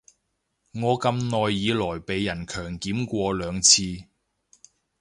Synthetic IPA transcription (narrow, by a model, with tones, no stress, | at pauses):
ŋɔː˨˧kɐ˧mnɔː˨jːiː˨˧lɔː˨˩jpe˨jːɐ˨˩nkʰœː˨˩ŋkiː˨˥mkʷɔː˧lœː˨˧ŋt͡sʰiː˧